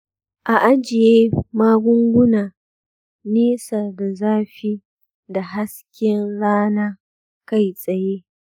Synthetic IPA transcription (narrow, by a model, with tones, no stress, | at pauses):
ʔa˨ʔa˦d͡ʒɪ˨jeː˦maː˦ɡʷʊ˦ŋɡʷʊ˦naː˨ | neː˦sɐ˨da˨zaː˦ɸi˦ | da˨ɦa˦skʲɪ˦nɽaː˦naː˦ | ka˦˨jsʼɐ˨je˦